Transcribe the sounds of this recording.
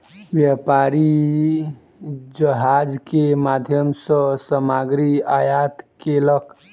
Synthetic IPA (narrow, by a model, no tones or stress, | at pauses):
ʋjapaɾi | d͡ʒəɦad͡ʒkemad̪ʱjəmsə̃səmaɡɾiajat̪kelək